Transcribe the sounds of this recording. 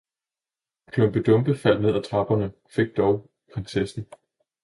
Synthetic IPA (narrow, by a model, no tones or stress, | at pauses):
kʰlɔmb̥əd̥ɔ̽mb̥əfæl̰ne̝ð̞̰ˠæt͡sʰʁɑ̈b̥ɐnə | fe̝ɡ̥̚d̥ɒʊ | pʰʁensesn̩